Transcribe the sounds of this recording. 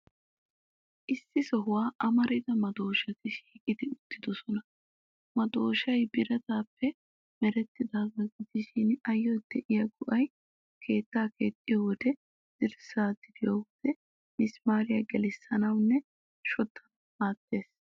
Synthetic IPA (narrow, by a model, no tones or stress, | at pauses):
ʔɪsːɪsɔɦʊwaːʔɐmɐɾɪd̪ɐmɐd̪o̞ːʃɐt̪ɪʃi̥ːkʼɪd̪ɪʊt̪ʰːɪd̪ɔsɔnɐ | mɐd̪o̞ːʃɐjbɪɾɐt̪aːpːɛ | mɛɾɛt̪ːɪd̪aːbɐɡɪd̪ɪʃɪnɐjːɔd̪ɛʔɪjɐɡʊʔɐj | kʰe̞ːt̪ːaːkeːt̪ʼːɪjɔwɔd̪ɛ | d̪̥ɪɾsaːd̪ɪd̪ɪjowɔd̪̥ɛ | ɪsmaːɾɪjɐɡɛlɪsːɐnɐwnːɛ | ʃɔt̪ːɐ̥ | maːt̪ːe̞ːs